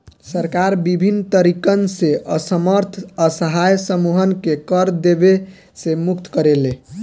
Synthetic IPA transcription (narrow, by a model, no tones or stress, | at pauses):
səɾkaɾbibʱinːt̪əɾikənseʔəsəməɾt̪ʰəsəɦajsəmuɦənkekəɾd̪ebe | semuk̚t̪kəɾele